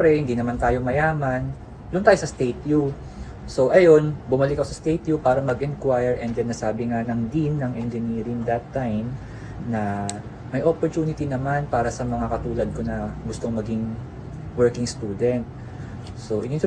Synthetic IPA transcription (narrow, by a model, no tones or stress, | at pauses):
ɾɛhɪnd̪inɐmant̪aːjo̞mɐjaːmɐn | lʊʔnaːjosɐst̪ejt̪ju | so̞ʔɐjo̞nbʊmɐlɪkːɐkosɐst̪ejt̪jupaːɾɐmɐɡʔɛnkwajɛɹʔɛnd͡ʒɐnːɐsaːbɪŋanɐŋd̪inːɐŋʔɛnd͡ʒɪniːɾɪŋd̪ɐt̪ːajm | nɐ | mɐjʔopoɹt̪uːnɪt̪inɐmanpaːɾɐsɐmɐŋakɐt̪uːlɐd̪̚ko̞nɐɡʊst̪o̞ŋmɐɡiŋ | wɛɹkɪŋst̪uːd̪ɛnt̪̚ | so̞ʔɪnɪn